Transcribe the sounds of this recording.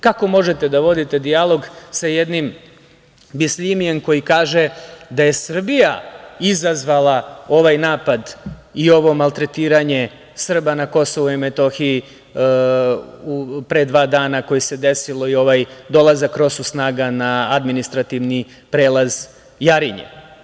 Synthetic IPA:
kako̞mo̞ʒet̪e̞d̪aʋo̞d̪it̪e̞d̪ijalˠo̞ɡsajed̪nim | bislimije̞mko̞jikaːʒe̞d̪aje̞sr̩bijaizazʋalˠao̞ʋajnaːpad̪io̞ʋo̞malˠt̪ɾe̞t̪iːɾaɲe̞ | sr̩banako̞so̞ʋuimet̪o̞xii | upɾe̞d̪ʋaːd̪aːnako̞jise̞d̪e̞silˠo̞io̞ʋajd̪o̞lˠazakːɾo̞susnaːɡanaad̪minist̪ɾat̪iʋni | pɾe̞ːlˠaz | jaɾiɲḛ

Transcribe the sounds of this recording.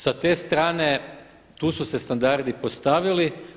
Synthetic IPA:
sat̪e̞ːst̪ɾaːne̞ | t̪uːsuse̞st̪and̪aɾd̪ipost̪aʋili

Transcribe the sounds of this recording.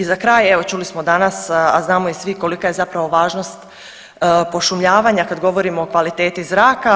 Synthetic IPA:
izakɾaːjeʋo̞t͡ʃuːlismo̞d̪anasa̰znaːmo̞isʋiko̞likaje̞zapɾaʋo̞ʋaːʒno̞st̪ː | po̞ʃumʎaːʋaɲakad̪ɡo̞ʋo̞ɾimoːkʋalit̪e̞ːt̪izɾaːka

